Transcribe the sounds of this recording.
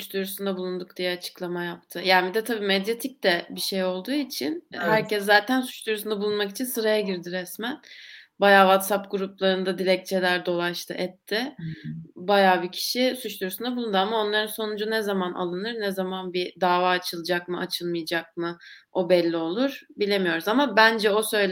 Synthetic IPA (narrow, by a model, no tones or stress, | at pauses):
sut͡ʃd̪uɾusund̪abulˠund̪uk̚d̪̥ijɛat͡ʃʰɯ̥klˠamajapt̪ʰɯjaːnbid̪ɛt̪ʰabiːmɛd̪jet̪ʰic̚d̪ɛbiʃejo̞lˠd̪uːit͡ʃʰinhæɾcɛszaːt̪ʰænsu̥t͡ʃd̪uɾusund̪abulˠunmakit͡ʃʰinsɯɾajaɟiɾd̪iɾɛsmænbajaːvat̪sapɡuɾuplˠaɾɯnd̪ad̪iɾɛc̚t͡ʃʰelʲæɾd̪o̞lˠaʃt̪ʰɯ̰ʔɛt̪ʰːɪ | bajaːbicʰi̥ʃisut͡ʃt̪uɾusund̪abulˠund̪ɯamao̞nlˠaɾɯnso̞nud͡ʒunɛzamanʔa̰lˠɯnɯɾnɛzamanbid̪aːvaːt͡ʃʰɯlˠɯd͡ʒak̚mɯa̰t͡ʃʰɯlˠmɯjd͡ʒak̚mɯ | o̞bɛlʲːio̞lˠuɾ̥bilʲe̞mijo̞ɾuzamabænd͡ʒɛo̞sø̞jlʲ